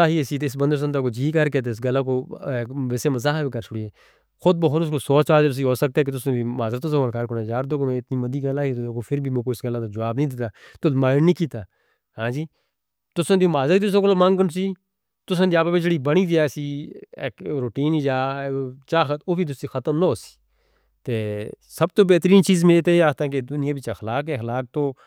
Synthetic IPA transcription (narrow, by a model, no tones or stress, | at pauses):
aːɦiːesiːt̪ːɪsbənd̪əɾs̬ənt̪aːkoːd͡ʒiːkəɾkeːt̪eːɪs̬ɡəlːãːk̬oːʋɛːseːməzaːɦbiːkəɾt͡ʃʰʊɽiːeː | xʊd̪̚boɦʊt̪ʊskoːsɔːt͡ʃaːɾd͡ʒeɾs̬iːɦoːsək̚t̪aɛːk̬et̪ʊsnẽːbiːmaːzɾət̪ːʊsãːkolkaɾkoːnaːd͡ʒaːɾd̪oːɡomẽːɪt̪niːməd̪iːɡəlaːɦiːt̪ːokoːpʰɪɾbʱiːmõːkoːɪsɡəlːãːd̪aːd͡ʒəʋaːbnəĩːd̪eːt̪aːt̪ʊsmaːnniːkiːt̪aː | hãːd͡ʒiː | t̪ʊsẽd̪ioːmaːzɾət̪it̪ʊsõːkoloːmə̃ŋɡkəns̬iː | t̪ʊsə̃ːd̪iaːpabɪt͡ʃɽiːbəɽ̃iːd͡ʒiaːsiːeːkɾoːʈiːnid͡ʒaːt͡ʃaːxət̪oːbiːt̪ʊsiːxət̪əmnooːsi̥ː | t̪eː | səb̚t̪oːbɛːt̪ɾiːnt͡ʃiːzmɪleːt̪eːeaːt̪ak̬ed̪ʊnɪjãːbɪt͡ʃaxlaːkɛːxlaːk̚t̪oː